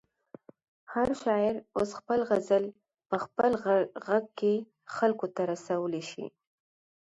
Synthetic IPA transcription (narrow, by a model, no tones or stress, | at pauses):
haɾʃɑjɪɾosxpəlɣazəl | pəxpəlɣaɡ̚ke | xalkot̪aɾasawəleʃḭ